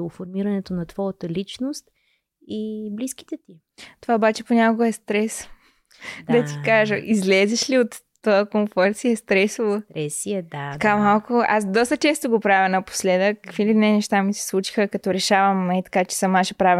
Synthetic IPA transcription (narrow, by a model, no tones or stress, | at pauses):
ofoɾmiɾɐnɛt̪onɐt̪vɔjət̪əlit͡ʃnost̪ | iblisk̟i̥t̪ɛt̪i | t̪ovaobat͡ʃɛponʲakoɡɐɛst̪ɾɛs | dd̪ɐt̪i̥kaʒəʔizlɛzɛʃliot̪ːojəkoɱfɔɾt̪siɛst̪ɾɛsvoɾɛsiɛd̪atɐ̥kamalˠkʊa̰sd̪ɔst̪ət͡ʃɛst̪oɡopɾavʲjɐnɐpo̥slɛd̪əkkkvilinɛnɛʃt̪amisɛ̥slˠut͡ʃi̥xəkɐt̪ɔɾɛʃavɐmɛit̪ɐ̥kat͡ʃɛ̥sɐmːaʃəpɾavɛ